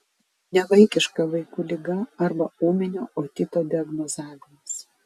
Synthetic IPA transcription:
nʲɛʋɐɪkʲɪʃkɐʋɐɪkuːlʲɪɡɐɐɾbɐuːmʲɪnʲoːʔoːt̪ʲɪt̪oːd̪ʲɪɐɡnɔzɑːʋʲɪmɐs

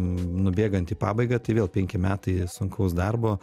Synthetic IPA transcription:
nʊbʲeːɡɐnt̪iːpɑːbɐɪɡɐt̪ɐɪʋʲeːlˠpʲɛŋʲkʲɪmʲæːt̪ɐɪsʊŋkɐʊsd̪ɐrboː

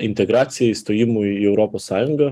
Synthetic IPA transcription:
ɪnʲt̪ʲɛɡɾɑːt̪sʲɪjɛist̪oːjɪmuiɛʊɾɔpoːsːɑːjʊŋɡɐ

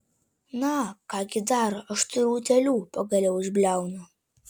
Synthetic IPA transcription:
nɐkɑːɡʲɪd̪ɑrɐʃt̪ɨɾuːt̪ʲɛlʲuːpɐɡɐlʲɛwɪʒʲbʲlʲæwnɐ

